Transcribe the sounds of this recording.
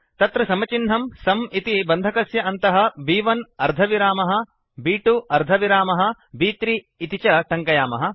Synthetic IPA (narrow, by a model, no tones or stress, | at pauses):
t̪ɐt̪ɾɐsɐmɐt͡ʃinɦɐmsɐmit̪ibɐnd̪ʱɐkɐsjɐɐnt̪ɐɦɐ̆biːʋɐnɐɾd̪ʱɐʋiɾaːmɐɦɐ | biːʈuʔɐɾd̪ʱɐʋiɾaːmɐɦɐ̆ | biːt̪ɾiː | t̪it͡ʃɐʈɐŋkɐjaːmɐɦɐ̆